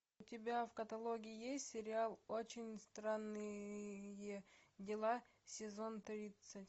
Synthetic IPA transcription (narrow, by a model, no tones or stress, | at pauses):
ʊtʲɪbʲafkɐt̪ɐlˠoɡʲɪɪjesʲtʲsʲɪɾʲɪalˠot͡ɕɪnʲst̪ɾanːɨjedʲɪlˠa | sʲɪzo̞nt̪ɾʲit̪sətʲ